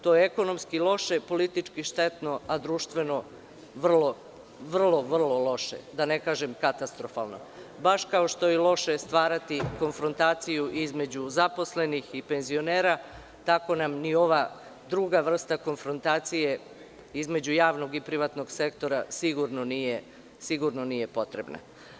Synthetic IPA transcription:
t̪o̞jeeko̞no̞mskilˠo̞ʃe̞po̞lit̪it͡ʃkiʃt̪e̞t̪no̞ad̪ɾuːʃt̪ʋe̞no̞ | ʋr̩lo̞ | ʋr̩lˠo̞ʋr̩lˠo̞lo̞ʃḛd̪ane̞kaːʒemkat̪ast̪ɾo̞fa̰ːlˠno̞̰ | baʃkaoʃt̪o̞jelˠo̞ʃe̞st̪ʋaːɾat̪iko̞nfɾo̞nt̪aːt̪sijuʔizme̞d͡ʑuzapo̞sle̞nixipe̞nzio̞ne̞ːɾa | t̪ako̞namnio̞ʋa | d̪ɾuɡaʋr̩st̪ako̞nfɾo̞nt̪aːt̪sije̞ | izme̞d͡ʑujaːʋno̞ɡipɾiʋat̪no̞ɡse̞kt̪o̞ɾasiɡuɾno̞nije̞ | siɡuɾno̞nije̞po̞t̪ɾe̞bna̰

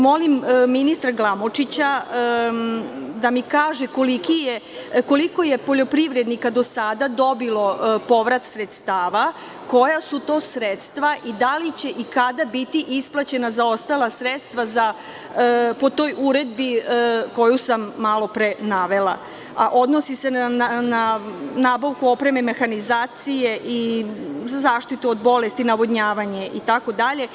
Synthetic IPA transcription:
mo̞limminist̪ɾaɡlˠamot͡ʂit͡ɕa | d̪amikaːʒeko̞likije | ko̞liko̞jepo̞ʎo̞pɾiʋɾed̪nikad̪o̞sad̪ad̪o̞bilˠo̞po̞ʋɾat̪sɾet̪st̪aːʋa | ko̞jasut̪o̞ːsɾet̪st̪ʋaʔid̪alit͡ɕe̞ʔikad̪abit̪iʔisplˠat͡ɕe̞nazao̞st̪alˠasɾet̪st̪ʋaza | po̞t̪o̞jʔuɾed̪biko̞jusamːalo̞pɾenaʋe̞la̰ | a̰ʔo̞d̪nosisenanaːbaʋkuo̞pɾe̞me̞me̞xanizaːt̪sije̞ʔi | zaːʃt̪it̪uod̪bo̞le̞st̪inaʋod̪ɲaːʋaɲe̞ʔit̪ako̞d̪aʎe̞

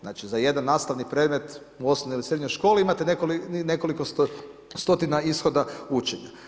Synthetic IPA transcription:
znaːt͡ʃizaje̞d̪anːaːst̪aʋnipɾe̞d̪me̞t̪ | uo̞snonjilisɾe̞d̪ɲojʃko̞ːliimat̪enekoline̞ko̞likos | st̪o̞t̪inaisxo̞d̪aut͡ʃe̞ɲa̰

